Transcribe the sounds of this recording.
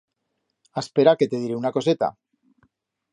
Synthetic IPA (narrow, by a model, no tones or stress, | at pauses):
aspeɾake̞t̪eð̞iɾeunako̞se̞t̪a̰